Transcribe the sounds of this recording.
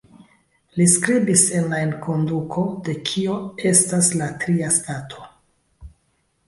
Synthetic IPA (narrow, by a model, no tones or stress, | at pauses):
liskɾibise̞nlaenkʰo̞ndukʰo̞de̞kʰio̞e̞staslatɾiastatʰo̞̥